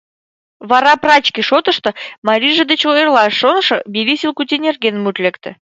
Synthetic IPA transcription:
vɑɾɑprɑt͡ɕkʲiʃot̪ə̆ʃt̪ɤ̆mɑɾʲiʒə̆d̪et͡ɕoerlˠɑʃːonʃɤ̆bilʲisʲilˠkut̪ʲenʲerɡʲenmut̪lʲekt̪ɘ̆

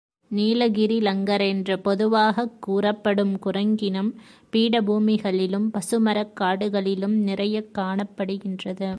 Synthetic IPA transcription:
niːlɐɣɪɾilɐŋɡɐɾɛndrɐpɔðɯʋaːɣɐkːuːrɐpːɐɽɯmkʊrɐŋɡɪnɐmpiːɽɐbʱuːmɪɣɐɭɪlɯmpɐsɯmɐɾɐkːaːɽɯɣɐɭɪlɯmnɪrɐjɐkːaːɳɐpːɐɽɯɣɪndrɐðɯ

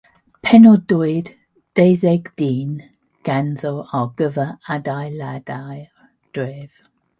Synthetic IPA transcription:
pʰɛnɔduɨd̥ | d̥ejzeɡd̥iːn | ɡ̥anðɔwaɡ̥əvəadajladaj | d̥ɹeːv̥

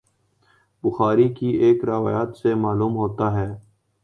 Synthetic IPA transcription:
bʊxaːɾikieːkɾɐʋa̰ːjaːt̪semaːluːmɦoːt̪aɦɛː

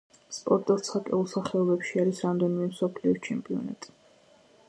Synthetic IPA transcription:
spʼɔɾt̪ʼɔɾt̪sakʼɛ̰ulˠsaχɛɔbɛpʃiaɾisɾamd̪ɛnimɛmsɔpʰliɔt͡ʃʰɛmpʼiɔ̰na̰t̪ʼi̥

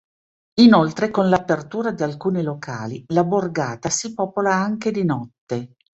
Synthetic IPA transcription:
inolt̪ɾekonlapert̪uːɾad̪ialkuːnilokʰaːlilaborɡaːt̪asipɔːpolaaŋked̪inɔt̪ːe

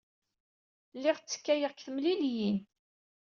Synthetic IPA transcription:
lːɪʁt͡sːə̥kːæjəʁkθəmliljin

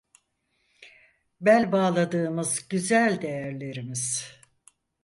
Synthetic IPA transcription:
bænʲbaːlˠad̪ɯːmɯzɟyzælʲd̪e̞jæɾlʲe̞ɾimiz̥

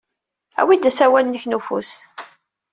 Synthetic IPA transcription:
æ̰wid̪æsæwælnːəçnufṵs

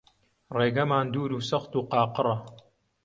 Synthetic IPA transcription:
reːɡɐmaːnd̪uːɾuːsɐxt̪uːqɑːqɨrˤɐ

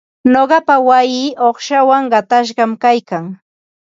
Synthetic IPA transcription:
noɢɑpawajiːʔoχʃawaŋɢɑt̪aʃ̬ɢɑmkajkaŋ

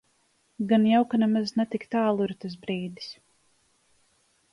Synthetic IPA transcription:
ɡanjawkanɛmaznɛt̪ikt̪aːlˠuiɾt̪as̬bɾiːd̪i̥s

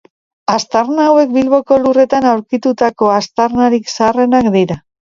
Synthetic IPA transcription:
ast̪aɾnaːwe̞k̚bilβo̞ko̞lure̞t̪anawɾkit̪ut̪ako̞ast̪aɾnaɾiksaaːre̞nakd̪iɾa

